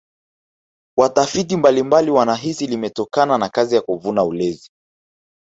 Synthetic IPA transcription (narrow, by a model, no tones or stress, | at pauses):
watafit̬imbalimbaliwanaɦisilimɛtɔkananakazijakuvunaulɛzi